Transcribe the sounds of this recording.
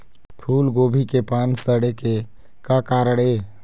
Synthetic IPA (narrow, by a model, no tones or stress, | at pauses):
pʰuːlɡoːbʱikepaːnsəɽeke | kakaːɾəɽeː